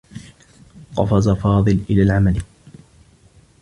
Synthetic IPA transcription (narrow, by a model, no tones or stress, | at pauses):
qɑ̰fɑzafɑːðˤɨlʔɪlaːlʕamal